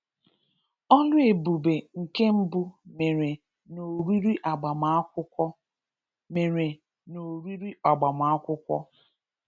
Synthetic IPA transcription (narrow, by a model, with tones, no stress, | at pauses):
ɔ˦lʊ˦e˨bu˨be˨ŋ̩˨ke˦m̩˦bu˦me˨ɾe˨ | no˨ɾi˦ɾi˦ʔa˨ɡ͡ba˨ma˨˦ʊ˦ | me˨ɾe˨ | no˨ɾi˦ɾi˦a˨ɡ͡ba˨ma˨a˦kʷʊ˦kʷɔ̰˦